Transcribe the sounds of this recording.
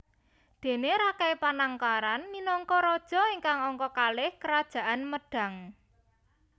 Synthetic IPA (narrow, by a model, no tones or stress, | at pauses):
d̪̥e̤neɾakɛjpanaŋkaɾanminɔŋkɔɾɔd̥ʒ̥ɔ̤iŋkaŋɔŋkɔkalɪhkəɾad̥ʒ̥a̤ʔanməɖ̥a̤ŋ